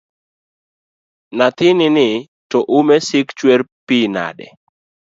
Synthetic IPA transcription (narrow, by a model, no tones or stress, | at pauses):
nat̪ɪnɪnɪ | tɔʔumɛsɪkt͡ʃweɾpina̰dɛ̰